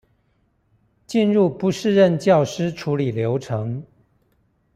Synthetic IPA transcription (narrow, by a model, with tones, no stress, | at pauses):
t͡ɕi˥˧nɻu˥˩pu˧˦˥ʂɻ̩˥˧ɻə˥˧nt͡ɕjɑ˥˩ʊʂɻ̩˥ʈ͡ʂʰu˧˥li˨˩ljo˧˥ʊʈ͡ʂʰɤ˧˥ŋ